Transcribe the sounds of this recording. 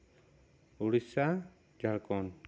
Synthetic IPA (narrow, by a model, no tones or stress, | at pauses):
uɽisa | d͡ʒaɭkɔn